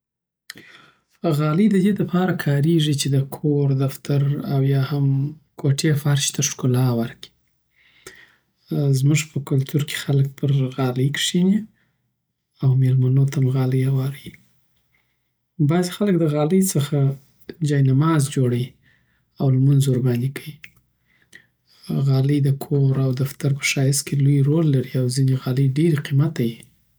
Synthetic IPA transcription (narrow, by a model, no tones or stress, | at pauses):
ɣɑləjd̪əd̪ed̪apʰɑɾakʰɑɾeʐit͡ʃed̪əkʰoɾd̪aft̪ʰaɾawjɑhamkʰoʈʰefɑɾʃt̪aʂkʊlɑwaɾki̥ | zmʊʐpʰəkʊlt̪ʰuɾkʰe̥xalək̚pʰəɾɣɑləjkʂini | awmelmanot̪amɣɑləjawɑɾi | bɑzexalək̚d̪əɣɑləjt͡səxa | d͡ʒɑjnamɑzd͡ʒoɽaji | awlmʊnzoɾband̪ikʰawi | ɣɑləjd̪əkʰoɾawd̪aft̪aɾpə̥ʃɑjɪskelojɾolːaɾiawzineɣɑləjɖeɾeqimat̪aji